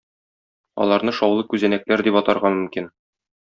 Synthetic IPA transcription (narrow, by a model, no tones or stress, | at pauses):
ɒ̰lˠɑɾnɤʃɒwlˠɤkʉzænæk̚læɾd̪ipɒt̪ɑɾʁɑmɵ̆mkin